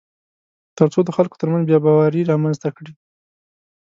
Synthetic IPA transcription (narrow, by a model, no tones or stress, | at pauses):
t̪əɾt͡sod̪əxalko̥t̪əɾmanzbjɑbɑwaɾiɾɑmanzt̪akɽi